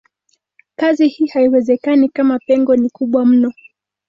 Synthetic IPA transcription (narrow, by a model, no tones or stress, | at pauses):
kazihiːhaiwɛzɛkanikamapɛŋɡɔnikuɓwam̩nɔ